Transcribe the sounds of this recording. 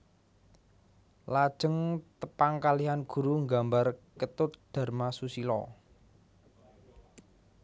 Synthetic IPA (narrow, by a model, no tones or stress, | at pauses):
lad̥ʒ̥ə̤ŋt̪əpaŋkaliɦanɡ̥ṳɾuŋɡambarkət̪ʊt̪̚d̪̥a̤rmasusilɔ̰